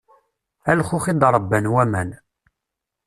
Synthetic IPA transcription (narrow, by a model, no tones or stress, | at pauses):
ælχʊxid̪ɾˤəbːənwæmæn